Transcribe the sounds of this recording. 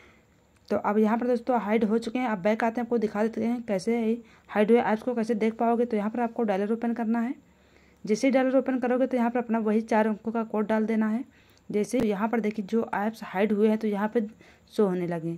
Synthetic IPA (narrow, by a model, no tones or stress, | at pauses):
t̪oʔɐbjɐɦãp̬ɐɾd̪oːst̪õɦaːɪɖɦot͡ʃʊkeɦɛ̃ɐbːɛːɪkaːt̪eɦɛ̃aːp̚kod̪ɪkʰad̪eːt̪eɦɛ̃kɛːsei | haːɪɖɦʊeʔaːpskokɛːsed̪eːk̚ʰpaːoːɡet̪ojɐɦãpɐɾaːp̚koɖaːləɾoːpənkɐɾnaɦɛː | d͡ʒɛːseiɖaːləɾoːpənkɐɾoːɡet̪ojɐɦãpɐɾɐpnaʋɐɦit͡ʃaːɾʋɐ̃ŋkõkakoːʈ̚ɖaːld̪eːnaɦɛː | d͡ʒɛːsejɐɦãpɐɾd̪eːkʰied͡ʒoːʔɛːpshaːɪɖɦʊeɦɛ̃t̪ojɐɦãpɪɾ | soɦoːnelɐɡẽː